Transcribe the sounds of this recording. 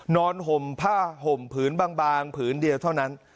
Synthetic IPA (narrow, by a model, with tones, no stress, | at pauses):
nɔː˧nɦo˨˩mpʰaː˥˩ɦo˨˩mpʰɯː˩˦˥nbaː˧ŋbaː˧ŋpʰɯː˩˦ndi˧əwt̪ʰa˥˩wna˦˥n